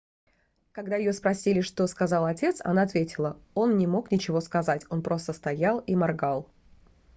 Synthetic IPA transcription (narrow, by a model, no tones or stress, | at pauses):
kɐɡd̪ajɪjo̞spɾɐsʲilʲɪʂt̪o̞skɐzɑlˠɐtʲe̞t̪sɐ̰naɐt̪vʲetʲɪlˠəo̞nnʲɪmo̞knʲɪt͡ɕɪvo̞skɐzatʲo̞npɾo̞st̪əst̪ɐjalˠimɐrɡalˠ